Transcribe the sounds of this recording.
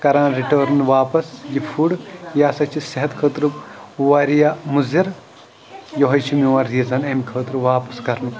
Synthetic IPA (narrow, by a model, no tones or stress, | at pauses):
kɐɾaːnɾiʈəːɾnʋaːpɐsjipʰuɽjaːsɐt͡ʃʰisɐɦɐt̪kʰəːt̪ɾuʋɐːɾijamuziɾ | jɔɦɐjt͡ʃʰimiʋɐɾizɐnɐmkʰəːt̪ɾuʋaːpɐskɐɾnu